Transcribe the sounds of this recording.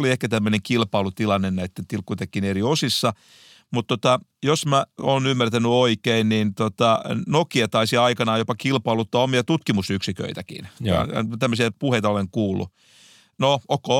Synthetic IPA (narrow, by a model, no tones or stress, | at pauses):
oliehkæt̪æmːøneŋkilpɑːlut̪ilɑnːennæit̪ːent̪ilkːut̪ekːineriosisːɑ | mut̪t̪ot̪ɑjosmæoːnymːært̪ænyoikeinnint̪ot̪ɑnokiɑt̪ɑisiɑikɑnɑːjopɑkilpɑːlut̪ːɑomiɑt̪ut̪kimusyksikø̰it̪ækḭn̰ɑ̰t̪æmːøsiæpuheit̪ɑoleŋkuːlːˑṵ | nookːo